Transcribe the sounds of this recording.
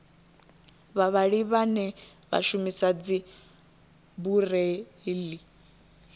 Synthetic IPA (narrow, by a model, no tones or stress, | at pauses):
βaβaɺiβanɛ | βa̰ʃumisad͡zi | burɛli